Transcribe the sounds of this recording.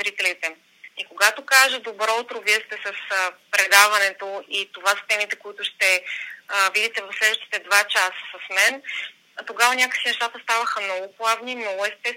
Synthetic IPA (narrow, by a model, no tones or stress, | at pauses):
ɾit̪ɛlit̪ɛ | ikoɡat̪okaʒəd̪obɾɔut̪ɾovist̪ɛsəsəpɾɛd̪avɐnɛt̪oit̪ovasə̥t̪ɛmit̪ɛkoit̪ʊʃt̪ɛ | vid̪it̪ɛvɐfslɛd̪vəʃt̪i̥t̪ɛd̪vat͡ʃasə̥sɐsmɛn | t̪oɡavənʲakəksinɛʃt̪at̪əst̪avəxəmnɔɡʊplˠavninnoɡʊɛst̪ɛs